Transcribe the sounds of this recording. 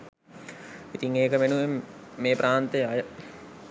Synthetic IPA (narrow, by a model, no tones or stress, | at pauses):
it̪iŋeːkəʋenuʋemːeːpɾaːnt̪eajə